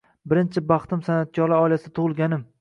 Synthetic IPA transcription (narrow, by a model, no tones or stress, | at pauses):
bɪɾɪnt͡ʃʰɪbɑχt̪ɪmsanat̪̚kʰʲɒɾlɪɒjlasɪt̪ʰʊʁɨlˠɡʲanɪm